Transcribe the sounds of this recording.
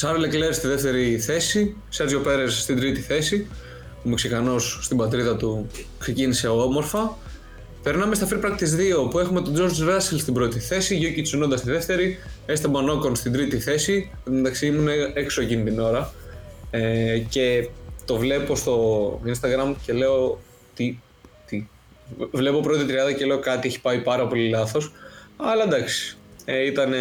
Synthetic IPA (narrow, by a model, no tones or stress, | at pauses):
sɐɾlekleɾst̪iðeft̪e̞ɾiθe̞si | sɐzʝo̞pe̞ɾesːt̪ind̪ɾit̪iθe̞si | pumuksekɐnosːt̪ibɐt̪ɾiðɐt̪ukse̞cinise̞omo̞ɾfɐ | pe̞ɾnɐmest̪ɐfiɾpɾɐkt̪izðiopue̞xume̞t̪o̞d͡ʒo̞ɾd͡ʒvɐsilst̪ibɾo̞t̪iθe̞siʝocisinond̪ɐst̪iðe̞ft̪e̞ɾiest̪ɐbɐno̞ko̞nst̪ind̪ɾit̪iθe̞si | nd̪ɐksiimuneekso̞ecinit̪ino̞ɾɐ | ece̞t̪o̞vle̞po̞st̪o̞inst̪ɐɣɾɐmce̞le̞o̞ | t̪i | t̪i | vle̞po̞pɾo̞t̪it̪ɾiɐnd̪ɐcele̞o̞kɐt̪ieçi̥pɐipɐɾɐpo̞lilɐθo̞sɐlɐend̪ɐksi̥it̪ɐne